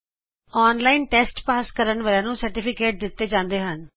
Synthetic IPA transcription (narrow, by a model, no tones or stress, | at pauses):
ɔːnlaːinʈɛːsʈpaːskəɾənʋəːlãːnũːsəɾʈɪpʰɪkeːʈ̚d̪ɪt̪ːeːd͡ʒãːnd̪eːɦən